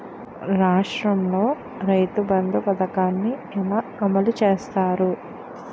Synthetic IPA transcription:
ɾaːʂɾɐmlo̞ː | ɾɐjt̪ubɐnd̪upɐd̪ɐkaːnːiɛlaːɐmɐlut͡ʃeːst̪aːɾu

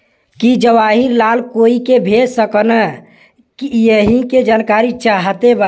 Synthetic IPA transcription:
kid͡ʒəʋaɦiɾlalkoikebʱesəkənə | kijəɦiked͡ʒankaɾitt͡ʃːt͡ʃʰaɦət̪eba

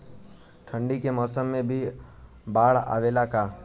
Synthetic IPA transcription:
ʈʰə̃ɳɖikemɔːsəmːẽbʱi | baːɽa̰ːʋeːlakaː

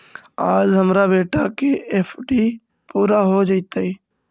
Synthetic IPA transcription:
aːd͡ʒɦəmɾaːbeːʈaːkeːʔeːfʰɖiː | puːɾaːɦoːd͡ʒəit̪aiː

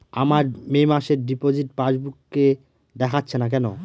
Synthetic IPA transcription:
amaɾmemaʃeɾɖipod͡ʑiʈ̚pad͡ʑbukːe | d̪ɛkʰatːɕʰenak̬ɛno

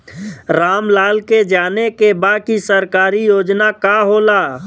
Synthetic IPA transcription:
ɾaːmlaːlked͡ʒaːnekebaːkisəɾkaːɾijoːd͡ʒnakaɦoːlaː

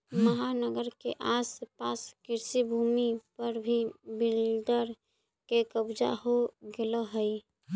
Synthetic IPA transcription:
məɦanəɡəɾkeʔasəpaskiɾsibʱumipəɾbʱibilɖəɾ | kekəbd͡ʒa̰ɦoɡeləɦəj

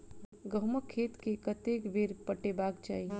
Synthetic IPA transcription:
ɡəɦməkʰːet̪kekət̪ekbʱeɾpəʈebakt͡ʃa̰ːi

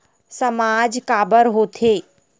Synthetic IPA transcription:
sɐmaːd͡ʒkaːbəɾɦoːt̪ʰeː

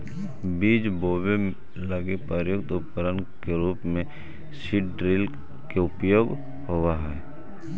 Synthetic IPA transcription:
biːd͡ʒboːbem | ləɡepəɾjʊkt̪ʊp̚kəɾənkeɾuːpmẽ | ʃɪɖɾɪl | keʊpjoːɡ | ɦowaɦɛː

